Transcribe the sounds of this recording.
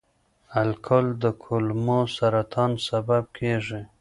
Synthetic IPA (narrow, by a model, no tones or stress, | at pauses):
alkʰʊld̪əkʰʊlmosaɾat̪ʰɑnsabab̚kʰeʐi